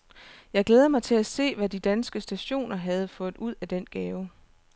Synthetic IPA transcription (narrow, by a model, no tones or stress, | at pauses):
jɑ̈ɪɡ̥leːð̞ˠɐmɑ̈ɪt͡sʰe̝læse̝̰ːʋæd̥id̥ænsɡ̥əsd̥æɕo̝̰ːnɐɦæð̞̩ˠfɔ̽ːð̩ˠuð̞̰ˠæd̥en̰ɡ̥ɛːʊ